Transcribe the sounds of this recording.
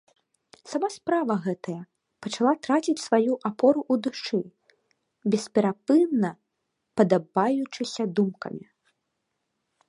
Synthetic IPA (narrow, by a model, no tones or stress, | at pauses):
samaspɾavɐɣɛt̪ɐjɐ | pɐt͡ʂalˠat̪ɾat͡sʲit͡sʲsvajuʔapɔɾuʔud̪uʂt͡ʂɨ | bʲɛspʲɛɾapɨnːɐ | pɐd̪abajut͡ʂɨsʲɐd̪umkɐ̰mʲi